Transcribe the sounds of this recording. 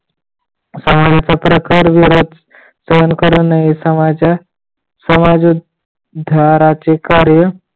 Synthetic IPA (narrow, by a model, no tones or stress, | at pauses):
səmad͡zat͡sapɾəkəɾʋiɾod̪ | səənkəɾənaɦisəmaa | səmad͡zu | d̪ʱaɾat͡sekaɾjə